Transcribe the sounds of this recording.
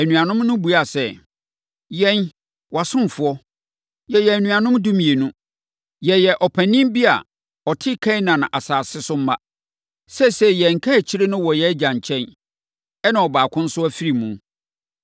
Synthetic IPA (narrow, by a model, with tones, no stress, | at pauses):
æ˨nũ˨ã˨nʊ̃˦mnʊ̃˦bu˨a˨sɛ˦ | jɛ̃˦n | wa˨sʊ̃˦m˨fʊ˦ɔ˦ | jɛ˨jɛ˨æ˨nũ˨a˨nʊ̃˦mdũ˦mĩ˨e˨nũ˦ | jɛ˨jɛ˨ʔɔ˨pʰæ̃˨nĩ˦bi˦a̰˨ | ɔ˨tʰɪ˦kʰã˦nã˨nã˨ʔa˨saː˨sɪ˦sʊ˦m̩˦ma˦ | sɛ˦sɛ˦jɛ˨ŋ̩˨kʰa˦æ˨t͡ɕʰi˦ɾe˦nʊ̃˦wɔ˨jɛ˦d͡ʑã˨ɲ˨t͡ɕʰɛ̃˦n | ɛ˦nã˨ɔ˨baː˨kʰʊ̃˦n̩˦sʊ˦æ˦fi˦ɾi˨mũ˨